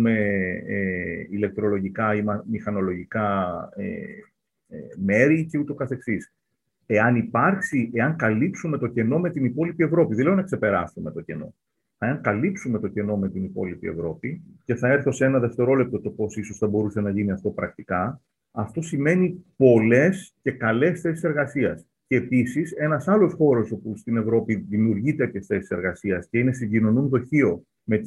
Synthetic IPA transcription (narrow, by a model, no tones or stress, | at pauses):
me̞eile̞k̚t̪ɾo̞lo̞ʝikɐiɐmixɐno̞lo̞ʝikɐḛ | me̞ɾice̞ut̪o̞kɐθe̞ksis | e̞ɐnipɐɾksiʔe̞ɐŋkɐlipsume̞t̪o̞ce̞no̞me̞t̪inipo̞lipie̞vɾo̞piðeleonɐkse̞pe̞ɾɐsume̞t̪o̞ce̞no̞̰ | eɐŋkɐlipsume̞t̪o̞ce̞no̞me̞t̪inipo̞̰lipie̞̰vɾo̞pice̞θɐe̞ɾθo̞se̞nɐðe̞ft̪e̞ɾo̞le̞p̚t̪o̞t̪o̞po̞siso̞sθɐbo̞ɾuse̞nɐʝiniɐft̪o̞pɾɐk̚t̪ikɐ | ɐft̪o̞sime̞nipo̞le̞sce̞kɐle̞sθe̞sise̞ɾɣɐsiɐs | ce̞ːpisise̞nɐsɐlo̞sxo̞ɾo̞so̞pust̪ine̞vɾo̞piðimiuɾʝit̪eɐcesθe̞si̥se̞ɾɣɐsiɐsce̞ine̞siɟino̞nunðo̞çio̞ | me̞